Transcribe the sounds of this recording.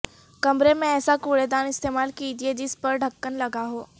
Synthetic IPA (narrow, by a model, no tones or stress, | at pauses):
kɐmɾemẽɛːsakuːɽed̪aːnɪst̪eːmaːlkid͡ʒied͡ʒɪspəɾɖʱəkːənlɐɡaɦoː